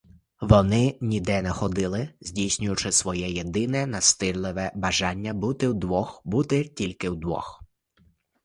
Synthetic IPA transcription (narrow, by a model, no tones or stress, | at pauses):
ʋɔnɪnʲid̪ɛnɛxɔd̪ɪlˠɪzʲdʲijsʲnʲʊjʊt͡ʃɪsʋɔjɛjed̪ɪnɛnɐst̪ɪɾlˠɪʋɛbɐʒɑnʲːɐbut̪ɪwd̪ʋɔxbut̪ɪtʲilʲkɪwd̪ʋɔ̰x